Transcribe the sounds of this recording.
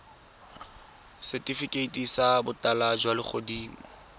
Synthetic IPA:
sɛtʼifikʼeitʼisabʊtʼalad͡ʒwalɪχʰodiːmɔ

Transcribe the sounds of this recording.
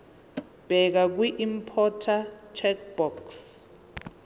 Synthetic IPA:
b̥ʱɛk̬ak̬wiʔimpʰɔtʰat͡ʃʰɛk̚b̥ɔks

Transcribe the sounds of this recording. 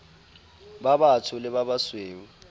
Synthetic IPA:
babatʰʊlɪβaβasweːwu

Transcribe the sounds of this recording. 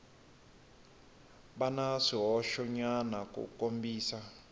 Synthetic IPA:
ɓanaʂiɦɔʃɔɲanakṵkʼombiːsa

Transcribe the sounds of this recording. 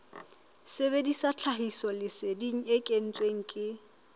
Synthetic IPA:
sebedisat͡ɬʰaɦisɔlɪsɪdiŋ̩ekʼen̩t͡sʼweŋ̩kʼɪ

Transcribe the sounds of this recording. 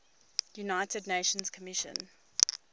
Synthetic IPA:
junaɪtədⁿneɪʃə̃nz̥kʰəmɪʃə̰̃n

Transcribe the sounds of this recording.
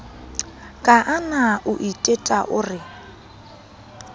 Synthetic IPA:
kʼaʔanaʔʊʔitʼetʼaʔʊrɪ

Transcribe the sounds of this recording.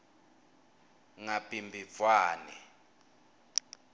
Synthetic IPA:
ŋapʼimbʱifwaːnɛ

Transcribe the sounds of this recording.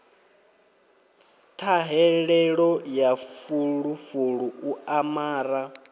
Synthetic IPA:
t̪ʰaɦɛɺɛɺɔjafuɺufuɺuuamaːɾa

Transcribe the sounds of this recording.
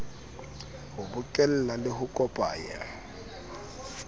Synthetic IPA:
hʊbʊkʼɛl̩lalɪɦʊkʼɔpʼa̰ːja̰

